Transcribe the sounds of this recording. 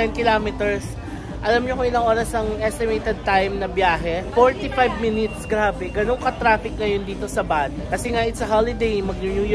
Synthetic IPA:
t̪ɛnkɪlaːmɪt̪ɛɹs | ʔɐlamɲokoɪlɐŋʔoːɾɐsɐŋʔɛst̪ɪmejt̪ɛd̪̚t̪ajmnɐbjaːɦɛfoɹt̪ifajb̚mɪnɪt̪sɡɾaːbɛɡɐnoŋkɐt̪ɾaːfɪk̚ŋɐjond̪iːt̪o̞sɐbad̪kɐsɛŋaʔɪt̪sɐɦalɪd̪ejmɐɡ̚ʊɲuj

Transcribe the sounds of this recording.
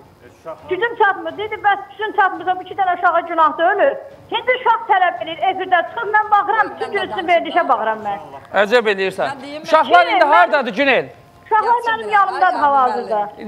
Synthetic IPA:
d͡ʒyt̪ʰynt͡ʃʰɑt̪mɯɾd̪id̪ibæsd͡ʒy̥t̪ynt͡ʃʰɑt̪mɯɾzɑbit͡ʃʰit̪æɾæuʃɑɣɑd͡ʒynɑhd̪ølyɾ | hinbiɾʃɑχt̪ʰælæbelijiɾefiɾd̪æt͡ʃʰɯ̥xɯpmænbɑxɯɾɑmbyt̪ʰynd͡ʒʰøsyynveɾd̪iʃæbɑxɯɾɑmːænæd͡ʒæbelijiɾsæ̰nuʃɑχlˠɑɾind̪iɦɑɾd̪ɑd̪ɯd͡ʒynel | uʃɑxlˠɑɾmænimjɑnɯmd̪ɑd̪ɯɦɑlɑzɯɾd̪ɑ

